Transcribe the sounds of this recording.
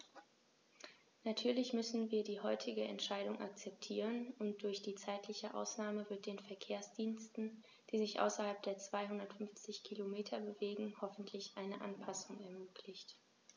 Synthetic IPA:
natʰyːɐlɪçmʏsn̩viːɐdiːhɔʏtʰɪɡəʔɛ̰ntʃaɪɾʊŋʔa̰k̚t͡sɛp̚tʰiːʁənʊnt̚d̥ʊɐçd̥iːt͡saɪtlɪçəʔa̰ʊsnaːməvɪɐt̚d̥eːnfɛɐkʰeːɐsd̥iːnstn̩ | d̥iːzɪçʔa̰ʊsɐhalp̚d̥eːɐt͡sv̥aɪhʊndɐtfʏnft͡sɪçkʰilomeːtʰɐbəveːɡŋ̩hɔfn̩tʰlɪçʔaɪnəʔanpʰasʊŋɛɐmøːkʰlɪçt

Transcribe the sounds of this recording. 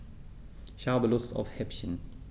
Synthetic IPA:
ʃaːbəlʊstɔ̰fhɛpçən

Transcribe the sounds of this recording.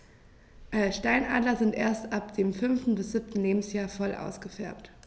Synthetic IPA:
ʔɛʃtaɪnʔa̰ːdlɐzɪntʔeːɐstʔap̚d̥eːmfʏnftn̩bɪsz̥ɪp̚tn̩leːbm̩sjaːɐfɔlʔa̰ʊsɡ̥əfɛɐpt

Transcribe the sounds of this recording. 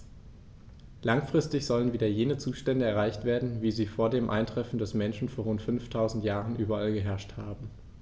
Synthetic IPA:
laŋfʁ̥ɪstɪçz̥ɔlənviːdɐjeːnət͡suːʃtɛndəɛɐʁ̞aɪçtv̥eːɐdn̩viːziːfoːɐdeːmʔa̰ɪntʁ̥ɛfn̩dɛsmɛnʃn̩foːɐʁʊntfʏnftʰaʊzn̩tjaːʁənʔyːbɐalɡəɦɛɐʃthaːbm̩

